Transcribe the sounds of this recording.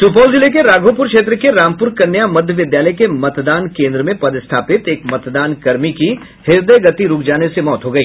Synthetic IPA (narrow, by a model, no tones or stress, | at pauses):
t̪ʊp̬əːʊzɪlekeɾaːɡʱoːpʊɾkʃeːt̪ɾəkeɾaːmpʊɾkɐnːjamɐd̪ʱjəʋɪd̪jaːləjkemɐt̪d̪aːnkẽːnd̪ɾəmẽpɐd̪ɪst̪ʰaːpɪt̪eːkmɐt̪d̪aːnkɐɾmiki | hɪɾd̪əɡɐt̪iɾʊkʰd͡ʒaːnesemɔːt̪ɦoːɡɐiː